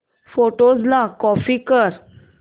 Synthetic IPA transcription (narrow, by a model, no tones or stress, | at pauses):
foʈod͡zlakɔfikəɾ